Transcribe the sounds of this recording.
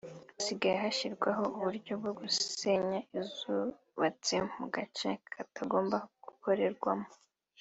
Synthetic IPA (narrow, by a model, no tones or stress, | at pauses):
siɡajeɦaʃiɾɡwaɦo̞uβuɾɟo̞b̚ɡo̞ɡuse̞ɲaizu | βat͡semuɡat͡ʃekʰataɡo̞ːmbahoɡ̥ukʰo̞ɾe̞ɾɡwamo